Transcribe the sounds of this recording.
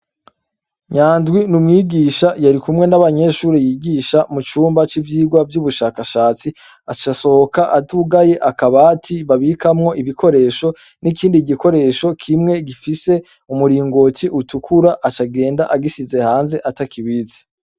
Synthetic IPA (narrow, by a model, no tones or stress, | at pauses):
ɲaːndɡwinumŋiːɡiːʃajaɾikumŋe̞naβaɲe̞ʃuːɾejiːɡiːʃamut͡ʃuːmbat͡ʃivjiːɡwavjuβuʃaːkaʃaːt͡si | at͡ʃaso̞hokaʔatuɡaje̞ʔakaβatʰiβaβikamŋo̞ʔiβiko̞ɾe̞ːʃo̞ | nikiːndiɡikʰo̞ɾe̞ːʃo̞kʰimŋe̞ɡifise̞ | umuɾiːŋɡo̞tʰiʔutukʰuɾaʔat͡ʃaɡe̞ːndaʔaɡisize̞haːnze̞ʔatakiβizi̥